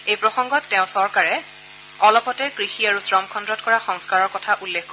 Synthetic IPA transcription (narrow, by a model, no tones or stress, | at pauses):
ejpɹɔxɔŋɡɔtːɛʊ̃sɔɹkaɹɛ | ɔlɔpɔtɛkɹixiaɹusɹɔmkʰɔndɹɔtkɔɹaxɔŋskaɹɔɹkɔtʰaʔulːekkɔ